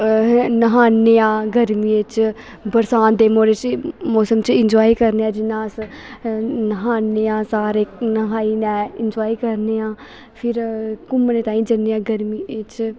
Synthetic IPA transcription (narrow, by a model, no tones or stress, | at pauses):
nəɦaːnːeãːɡəɾmiːɪt͡ʃ | bəɾsaːnd̪eːmoːɾet͡ʃmoːsəmt͡ʃɪnd͡ʒoːiːkəɾneːãːd͡ʒɪnːãːs | nəɦaːneãːsaːɾeːnəɦaːiːnɛːɪnd͡ʒoːiːkəɾneːãː | pʰɪɾkʊmneːt̪ãːĩːd͡ʒənːeːãːɡəɾmiːɪt͡ʃ